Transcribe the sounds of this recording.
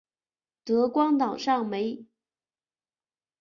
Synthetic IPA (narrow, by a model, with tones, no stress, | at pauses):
t̪ɤ˧˥kwɑ˥ŋt̪ɑ˨˩ʊʂɑ˥˩ŋme˧˥ɪ